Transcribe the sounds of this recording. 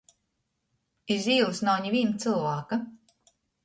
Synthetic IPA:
iziːlˠsnawɲiviːnt̪sɨlˠvaːka

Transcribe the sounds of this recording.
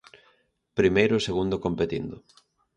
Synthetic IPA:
pɾimejɾʊseɣund̪okompet̪ḭnd̪ʊ̰

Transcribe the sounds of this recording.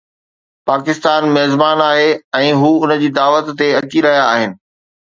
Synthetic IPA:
paːkɪst̪aːnmɛːzbaːnaːɦeɛ̃ːɦuːʊnəd͡ʑiːd̪aːʋət̪ːeɐt͡ɕiɾɐɦijaːɦɪnɪ̆

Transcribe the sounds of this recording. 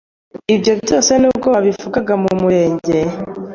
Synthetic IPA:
ibjo̞βjo̞ːse̞nuːb̚ɡoaβifuɡaɡamumuɾe̞ːɲɟe̞

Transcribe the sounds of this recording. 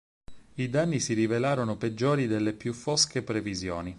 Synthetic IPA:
id̪anːisiɾivelaːɾonoped͡ʒːoːɾid̪elːepjufoskepɾevizjo̰ːni

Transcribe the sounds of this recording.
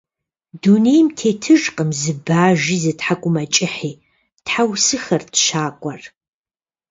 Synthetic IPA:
dunejmtʰeːtʰɨʒqʼəmzɨbaːʒiːzɨtħakʷʼʊmɐt͡ʃʼɪħiː | tħawsɨxɐrtʃaːkʷʼɐr

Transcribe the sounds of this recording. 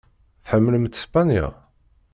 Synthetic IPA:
θħəmːələmt̪spanjæ̰

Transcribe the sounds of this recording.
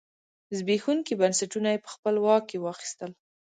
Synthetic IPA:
zbexuŋkibansaʈunajepə̥xpəlwɑk̚ːewɑxi̥st̪əl

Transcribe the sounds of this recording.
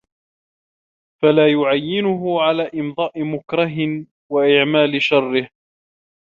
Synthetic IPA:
falaːjʊʕajːɪnʊɦʊʕalaːʔɪmd̪ˤɑːʔɪmʊkɾˤɑɦɪ | waʔɪʕmaːlɪʃɑrːɪh

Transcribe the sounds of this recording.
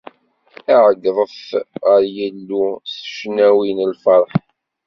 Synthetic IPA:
æʕəɡðˤəfʁəɾjəlːusʃnæwinəlfɑɾˤħ

